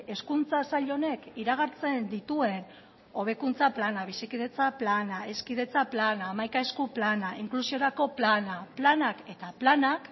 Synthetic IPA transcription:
e̞skunt͡sasaʎo̞ne̞kiɾaɣ̞aɾt͡se̞nd̪it̪ue̞n | o̞β̞e̞kunt͡saplanaβisikið̞e̞t͡saplanae̞skiðe̞t͡saplanaːmajkaeskuplanaiŋklusio̞ɾako̞planaplanake̞t̪aplanak

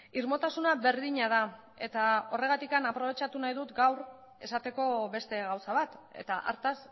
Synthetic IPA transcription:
iɾmo̞t̪asunaβe̞ɾðiɲað̞a | e̞t̪ao̞re̞ɣ̞at̪ikanapɾo̞β̞e̞t͡ʃat̪unajðut̪ɡawɾ | e̞sat̪e̞ko̞βe̞st̪e̞ɣawsaβat̪e̞̰t̪aʔa̰ɾt̪as

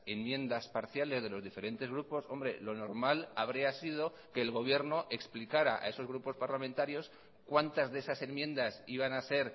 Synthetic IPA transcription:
e̞mmjẽ̞nd̪aspaɾθjale̞zðe̞lo̞zðife̞ɾe̞nt̪e̞zɣ̞ɾupo̞so̞mbɾe̞̰lo̞no̞ɾmalaβ̞ɾiasið̞o̞ | ke̞ːlɣ̞o̞β̞je̞ɾno̞ʔe̞ksplikaɾa̰ʔa̰e̞so̞zɣɾupo̞spaɾlament̪aɾjo̞s | kwant̪azðesase̞mmjẽ̞nd̪asiβ̞anase̞ɾ

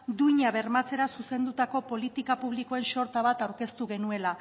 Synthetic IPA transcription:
d̪uɲaβe̞ɾmat͡se̞ɾasuse̞nd̪ut̪ako̞po̞lit̪ikapuβliko̞e̞nʃo̞ɾt̪aβ̞at̪awɾke̞st̪uɣe̞nue̞la

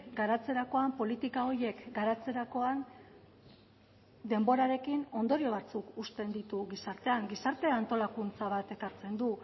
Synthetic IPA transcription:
ɡaɾat͡se̞ɾako̞ampo̞lit̪ikao̞je̞kɡaɾat͡se̞ɾako̞an | d̪e̞mbo̞ɾaɾe̞kino̞nd̪o̞ɾio̞βat͡sukust̪e̞nd̪it̪uɣisaɾt̪e̞aŋɡisaɾt̪e̞ant̪o̞lakunt͡saβat̪e̞kaɾt͡se̞nd̪u

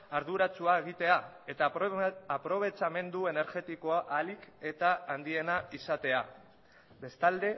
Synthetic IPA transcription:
aɾðuɾat͡suaeɣit̪e̞a | e̞t̪aː | pɾo̞β̞e̞t͡ʃame̞nd̪ue̞ne̞ɾɣe̞t̪iko̞aʔalike̞t̪aːnd̪ie̞naisat̪e̞a | be̞st̪ald̪e̞

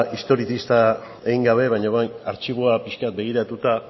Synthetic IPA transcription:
ist̪o̞ɾit̪ist̪a | eiŋɡaβ̞e̞βaɲoβajnaɾt͡ʃiβ̞oapiʃkat̪̚be̞ɣ̞iɾat̪ut̪a

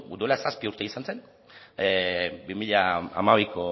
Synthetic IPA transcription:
uɾolasaspiuɾt̪eisanse̞n | bimiʎaa̰maβ̞ikʰo

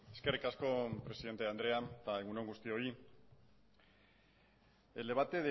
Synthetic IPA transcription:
e̞ske̞rikasko̞pɾe̞siðe̞nt̪e̞and̪ɾe̞ant̪aeɣunoŋɡust̪io̞i | ele̞β̞at̪e̞ðe

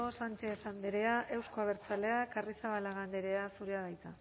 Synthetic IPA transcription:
osant͡ʃeːsand̪eɾe̞aʔe̞wsko̞aβe̞ɾt͡sale̞akarisaβalaɣand̪eɾe̞asuɾeaβajt̪a

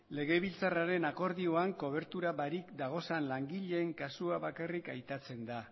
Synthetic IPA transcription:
le̞ɣ̞e̞β̞ilt͡saraɾe̞nako̞ɾðio̞aŋko̞β̞e̞ɾt̪uɾaβaɾikd̪aɣ̞o̞sanlaŋɡiʎe̞ːŋkasuaβakarikajt̪at͡se̞nd̪a

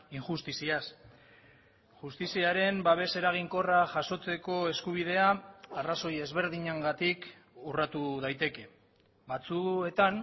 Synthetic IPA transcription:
iŋʝust̪isias | ʝust̪isiaɾe̞mbaβ̞e̞se̞ɾaɣ̞iŋko̞raʝaso̞t͡se̞ko̞e̞skuβ̞ið̞e̞aaraso̞je̞zβe̞ɾðiɲaŋɡat̪ik | urat̪uð̞ajt̪e̞ke̞ | βat͡sue̞t̪an

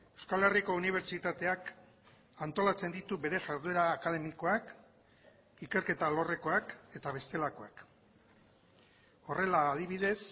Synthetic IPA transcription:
e̞wskale̞riko̞uniβ̞e̞ɾt͡ʃit̪at̪e̞ak | ant̪o̞lat͡se̞nd̪it̪uβe̞ɾe̞ʝaɾðue̞ɾaːkað̞e̞miko̞ak | ike̞ɾke̞t̪alo̞re̞ko̞ake̞t̪aβ̞e̞st̪e̞lako̞ak | o̞re̞laːð̞iβ̞iðe̞s

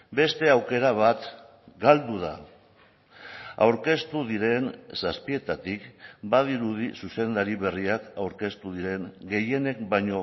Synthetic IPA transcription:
be̞st̪e̞awke̞ɾaβ̞at̪ | ɡald̪uð̞a̰ | a̰wɾke̞st̪uðiɾe̞nsaspie̞t̪at̪ikbaðiɾuðisuse̞nd̪aɾiβe̞riakawɾke̞st̪uðiɾe̞ŋɡe̞je̞ne̞kbajɲo̞

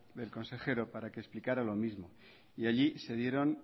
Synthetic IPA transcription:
ðe̞lko̞nse̞xe̞ɾo̞paɾakeːsplikaɾalo̞mizmo̞ | iaʎise̞ðje̞ɾo̞n

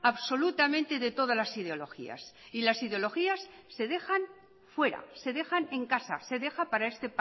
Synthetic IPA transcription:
aβso̞lut̪amẽ̞nt̪e̞ðe̞t̪o̞ð̞azlasið̞eo̞lo̞xḭa̰silasiðeo̞lo̞xiasːe̞ðe̞xan | fwe̞ɾa̰se̞ðe̞xane̞ŋkasa̰se̞ðe̞xapaɾae̞st̪e̞p

